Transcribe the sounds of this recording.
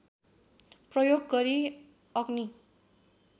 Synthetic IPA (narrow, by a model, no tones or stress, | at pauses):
prʌjoɡ̚ːʌɾi | ʌɡni